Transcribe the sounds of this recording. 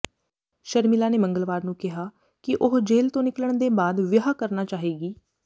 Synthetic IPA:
ʃəɾmilaːneːməŋɡəlʋaːɾnũːkɪɦaː | kɪʔʊɦd͡ʒeːlt̪õːnɪkləɳd̪eːbaːd̪ʋjɦaːkəɾnaːt͡ʃaːɦeːɡiː

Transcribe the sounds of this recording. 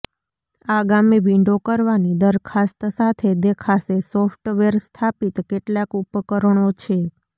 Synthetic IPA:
aɡamiʋiɳɖokəɾʋanid̪əɾkʰast̪sat̪ʰed̪ekʰasesɔfʈʋeɾst̪ʰapit̪keʈlakupkəɾɳ̃ot͡ʃʰe

